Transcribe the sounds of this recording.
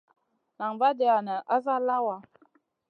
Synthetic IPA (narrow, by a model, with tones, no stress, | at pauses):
na˨ŋva˦de˨a˨nə˨ʔa˦za˦la˦wa˨